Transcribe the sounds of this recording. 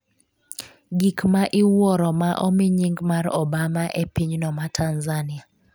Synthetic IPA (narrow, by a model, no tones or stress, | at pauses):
ɡikmaʔɪwɔɾɔmaʔɔmɪɲiŋɡmaɾɔ̰bamaʔepiɲnɔmatʰanzanɪa